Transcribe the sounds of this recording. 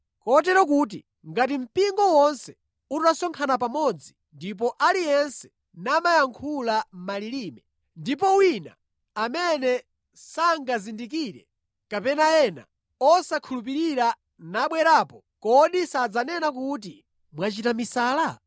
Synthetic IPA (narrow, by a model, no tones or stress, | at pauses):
kɔt̬ɛɾɔk̬ut̬ḭ | ŋɡatim̩piŋɡɔwɔnsɛ̥ | utasɔŋkʰanap̬amɔd͡zi | ndip̬ɔʔalijɛnsɛ̥ | namajaŋkʰulam̩maliɾiːmɛ | ndip̬ɔwina̰ | amɛnɛ | saŋɡazindik̬iɾɛ̰ | kapɛnaɛna̰ | ɔsakʰulupiɾiɾa | naɓwɛɾaːpɔ | kɔɗisad͡zanɛnakut̬i | mwat͡ʃitamisaːla